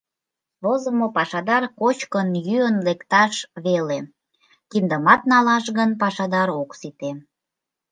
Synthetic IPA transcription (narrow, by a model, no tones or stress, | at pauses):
βozəmopɑʃɑd̪ɑrkot͡ɕkənjyənlekt̪ɑʃβele | kind̪əmɑt̪nɑlɑʃɣənpɑʃɑd̪ɑɾoksit̪e